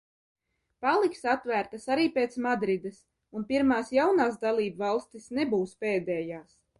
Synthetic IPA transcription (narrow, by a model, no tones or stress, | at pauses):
palˠiksat̪ːvæːɾt̪asaɾiːpeːt̪smad̪ɾid̪es | unpiɾmaːsjawnaːs̬d̪alˠiːbvɑlˠst̪isnebuːspeːd̪ɛːjaːs